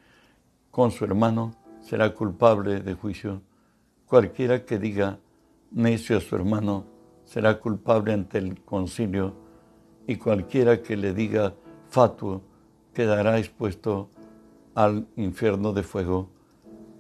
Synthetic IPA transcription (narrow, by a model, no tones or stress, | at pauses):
ko̞nsue̞ɾmãnose̞̰ɾakulpaβleðe̞xwisjo | kwalkje̞ɾake̞ðiɣa | nesjoasuḛɾmãno | se̞ɾakulpaβleant̪elkonsiljo | ikwalkje̞ɾake̞le̞ðiɣafat̪wo | keðaɾaekspwe̞st̪o | aliɱfje̞ɾnoðe̞fwe̞ɣo